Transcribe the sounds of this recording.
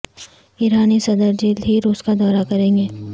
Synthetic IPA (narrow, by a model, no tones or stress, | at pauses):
iɾaːnisɐd̪əɾd͡ʒiːliɾuːskad̪ɔːɾakɐɾẽːŋɡeː